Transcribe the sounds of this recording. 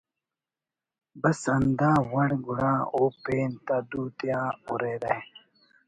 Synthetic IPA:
bɐsɐnd̪aːwɐɽɡuɽaːoːpeːnt̪ad̪uːt̪jãːuɾeːɾɐ

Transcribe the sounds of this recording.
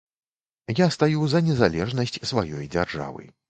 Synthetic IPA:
jast̪ajuzɐnʲɛzalʲɛʐnɐsʲt͡sʲsvajɔjd͡zʲarʐa̰vɨ̰

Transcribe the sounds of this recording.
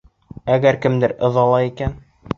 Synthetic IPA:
æɡæɾkɘ̆md̪ɘɾɤ̆ðɑlˠɑikæn

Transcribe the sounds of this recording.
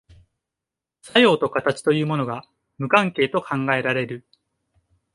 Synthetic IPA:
sajo̞ːt̪o̞kat̪at͡ɕi̥t̪o̞jɯ̟ːmo̞no̞ɡa | mɯ̟kãŋke̞ːt̪o̞kʰãŋɡae̞ɾaɾe̞ɾɯ̟

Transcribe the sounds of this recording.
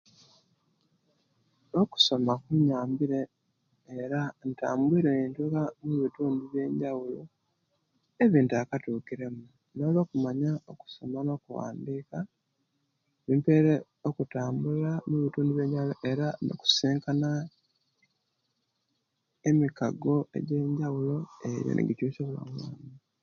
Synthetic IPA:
oku̥so̞makuɲaːmbiɾe̞ː | ɾanta̰ːmbuiːɾeentukamuβituːndiβje̞ːɲɟawulo | e̞βiːntuakatuːkiɾe̞mu | no̞ːlo̞ːkumaɲaoku̥so̞mano̞kuwa̰ːndiːka | βimpeːɾe | okutaːmbulamuβituːndiβje̞ːɲɟawuloʔeɾano̰ku̥seːŋkana | emikaɡo̞e̞̰ɟe̞ːɲɟawulo̞e̞ɾjo̰nʔḛɡicuːsoβula̰mwa̰ːmi

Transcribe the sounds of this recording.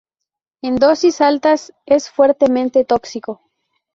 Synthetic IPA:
end̪o̞sisalt̪asesfweɾt̪emẽnt̪et̪oksiko

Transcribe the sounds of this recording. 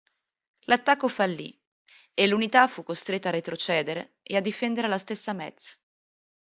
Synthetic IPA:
lʔat̪ːakːofalːḭ | elːunit̪afukːost̪ɾet̪ːarːet̪ɾot͡ʃɛːd̪eɾḛ | ead̪ːifɛnd̪eɾelast̪esːamɛt̪s

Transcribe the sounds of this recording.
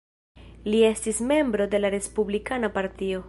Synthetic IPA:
lie̞stisme̞mbɾo̞de̞laɾe̞spublikanapaɾtio̞

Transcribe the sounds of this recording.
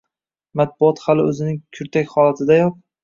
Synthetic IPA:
mat̪̚bʊɒt̪halɪɵzɪnɪŋkʲʰʊɾt̪ʰakʲχɒlat̪ʰɪd̪ajɒp̚

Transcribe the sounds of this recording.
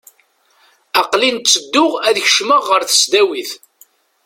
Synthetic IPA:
ɑqlint͡sːəd̪ːʊʁæðçəʃməʁːəɾθə̥sd̪æwiθ

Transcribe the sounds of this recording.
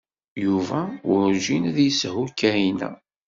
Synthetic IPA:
juvæʊɾʒinæðjəsɦukːæinæ̰

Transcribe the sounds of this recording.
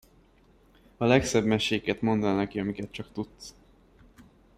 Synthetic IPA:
ɒlɛksɛbmɛʃeːkɛt̪mo̞nd̪ɛlnɛkiɒmikɛt̪̚t͡ʃɒkt̪ut̪s

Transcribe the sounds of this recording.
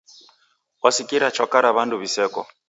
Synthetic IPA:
ɔsikiɾat͡ʃɔkaɾaβanduβisɛkɔ̰

